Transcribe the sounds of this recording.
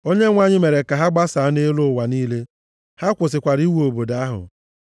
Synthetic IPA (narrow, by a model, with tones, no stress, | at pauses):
o˦ɲe˦ŋʷa˦ɲɪ˦me˨ɾe˨ka˨ɦa˦ɡ͡ba˦saː˨˦ne˦lʊ˦˨wa˨niː˦le˦ | ha˦kʷʊ˨sɪ˨kʷa˨ɾi˦wo˨bo˨da˦a˦ɦʊ̰˨